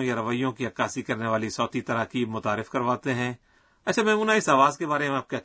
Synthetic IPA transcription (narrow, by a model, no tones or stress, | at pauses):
jaɾɐʋəijõkiɐkaːsikɐɾneʋaːlisɔːt̪it̪ɐɾaːkiːbmʊt̪aːɾɪfkɐɾʋaːt̪eɦɛ̃ː | ɐtːʃʰamɛ̃ːʊnãɪsaːʋaːzkebaːɾemẽaːp̚kɛ